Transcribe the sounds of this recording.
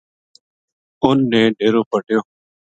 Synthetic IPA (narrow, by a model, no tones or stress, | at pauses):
ʊnːeːɖeːɾoːpəʈjoː